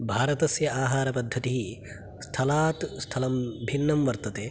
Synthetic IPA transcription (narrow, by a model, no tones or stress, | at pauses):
bʱaːɾɐt̪ɐsjɐaːɦaːɾɐpɐd̪ʱːɐt̪iɦi | st̪ʰɐlaːt̪st̪ʰɐlɐmbʱinːɐmʋɐɾt̪ɐt̪eː